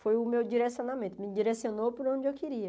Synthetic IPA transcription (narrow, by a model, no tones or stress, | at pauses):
fojʊmewd͡ʒiɾesiõnamẽnt̪ʊmɪd͡ʒiɾesiõnopʊɾõd͡ʒɪewkeɾiɐ